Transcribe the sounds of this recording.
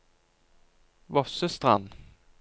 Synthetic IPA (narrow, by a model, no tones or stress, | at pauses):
vɔsəst̪ʁan